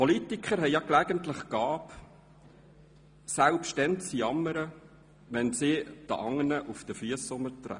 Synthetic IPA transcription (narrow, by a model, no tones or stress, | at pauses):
pɔlit̪ikʰχəɾɦɛjɑklɛɡənt̪ləχɡ̥ɑːp | sælpʃtɛnt͡sjɑmːəɾə | ʋɛnsɪd̥̪əʔɑŋːənəʔufd̥̪əfyəsːʊmːəɾt̪ɾɛ̰